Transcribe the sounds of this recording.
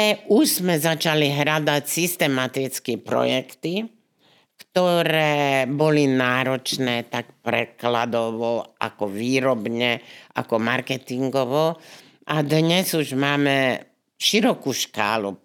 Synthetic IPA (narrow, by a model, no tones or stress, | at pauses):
ɛuʒzmɛzat͡ʃaliɦɾad̪acsist̪ɛmat̪it͡skipɾɔ̰jɛkt̪i | kt̪ɔɾɛːbɔlinaːɾɔt͡ʃnɛːt̪akpɾɛ̰klad̪ɔʋɔʔa̰kɔʋiːɾɔbɲɛʔa̰kɔmaɾkɛt̪iŋɡɔʋɔ | ad̪ɲɛzuʒmaːmɛ | ʃiɾɔkuːʃka̰ːlṵ